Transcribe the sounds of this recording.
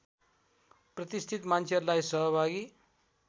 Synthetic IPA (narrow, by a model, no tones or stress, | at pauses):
prʌt̪ist̪ʰit̪mansʰʌɾlajsʌɦʌbʱaɡi